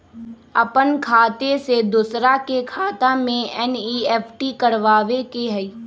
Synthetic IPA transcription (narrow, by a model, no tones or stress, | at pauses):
əpənkʰaːt̪esed̪ʊsɾakekʰaːt̪amẽɛːniːɛːpʰʈikəɾʋaːʋekeɦɛi